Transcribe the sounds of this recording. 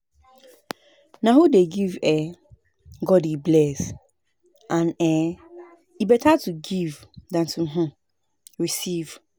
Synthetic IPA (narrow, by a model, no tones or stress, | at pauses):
nãhudeɡivɛ | ɡɔdiblɛs | ʔãnɛ | ibɛtʰatʰuɡivdãntʰũmɦʊ̃ | ɹisiv